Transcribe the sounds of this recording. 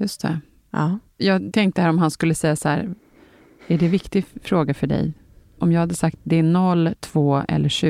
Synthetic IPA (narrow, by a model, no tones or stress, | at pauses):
jɵst̪ʰɛ̰ | jɑːɡt̪ʰɛŋk̚t̪əhæːɾɔmɦanskɵlːəsɛjːasɔhæ̰ːɾ | æɖɛvɪkt̪ɪfɾoːɡafœɖɛ̰j | ʔɔmjɑːɡhad̪ːəsakt̪̚d̪ɛæɳɔlːt̪ʰv̥oːɛ̰lːəʂʉ